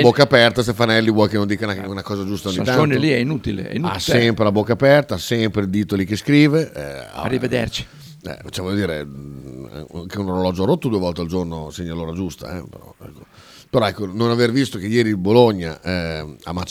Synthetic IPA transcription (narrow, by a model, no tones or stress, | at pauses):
bokːapɛrt̪ast̪efanɛlːivwɔjkenond̪ikanunakɔːzad͡ʒust̪aoɲːit̪ːanonliɛinut̪ilḛɛ̰inuasɛmpɾelabokːapɛrt̪aasɛmpɾeld̪iːt̪olikeskɾiːveʔɛa̰a̰rːived̪ḛrt͡ʃi̥ | ɛ̰vt͡ʃevɔʎːod̪iːɾe | a̰ŋkeunoɾolɔd͡ʒoaɾot̪ːod̪uːevɔlt̪eald͡ʒornoseɲːaloːɾad͡ʒust̪a̰ɛ̰pḛɾɔ̰ɛ̰kːo̥ | peɾɔɛkːononavervist̪ok̟ejɛːɾiboloɲːaʔɛa̰mːat͡ʃ